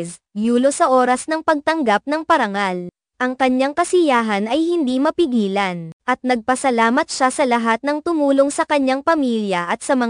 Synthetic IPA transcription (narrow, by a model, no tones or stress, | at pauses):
s | juːlo̞sɐʔo̞ːɾɐsnɐŋpɐɡ̚t̪ɐŋɡap̚nɐŋpɐɾɐŋal | ʔɐŋkɐɲjaŋkɐsɪjaːɦɐnɐjhɪnd̪imɐpɪɡiːlɐnʔɐt̪̚nɐɡ̚pɐsɐlaːmɐt̪ʃasɐlɐɦat̪̚nɐŋt̪ʊmuːlo̞ŋsɐkɐɲːaŋpɐmiljɐʔɐt̪sɐmɐ